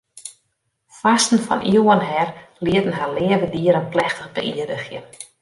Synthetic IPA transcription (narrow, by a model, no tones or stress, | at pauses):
fastn̩fɔ̰nʔiəwənɦɛrliətən̩ɦarlɪːəvədiəɾənplɛxtəχbə̰ʔiədəxjən